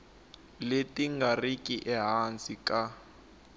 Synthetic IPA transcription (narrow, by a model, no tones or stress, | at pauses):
letiŋɡarikʼiʔɛɦant͡sʼika